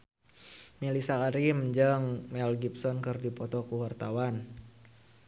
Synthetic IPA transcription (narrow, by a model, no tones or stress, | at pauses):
mɛlisaaɾimd͡ʒəŋmɛlɡip̚sɔnkɨrdipɔt̪ɔkuwart̪awan